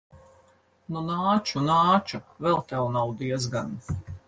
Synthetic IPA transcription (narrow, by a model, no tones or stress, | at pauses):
nunaːt͡ʃunaːt͡ʃuvɛlˠt̪ɛwnawd̪iɛzɡan